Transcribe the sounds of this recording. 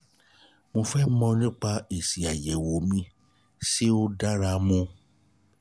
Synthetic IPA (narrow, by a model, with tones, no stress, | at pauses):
mõ˧fɛ˦mɔ̃˧nĩ˦k͡pa˧e˨si˨a˨jɛ˨wo˨˦mĩ˧ | si˦o˦da˦ɾa˧mũ˧